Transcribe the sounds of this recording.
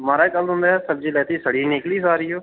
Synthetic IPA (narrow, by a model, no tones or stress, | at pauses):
maːɾaːkəlʊ̃nd̪aːɦɛːsəb̚d͡ʒiːlɛːt̪iːsəɽiːneːkliːsaːɾiːɦoː